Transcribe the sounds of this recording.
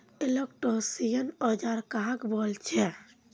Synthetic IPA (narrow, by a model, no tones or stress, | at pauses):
elekʈosijənəd͡ʒaɾkaɦkbɔlt͡ʃʰɛ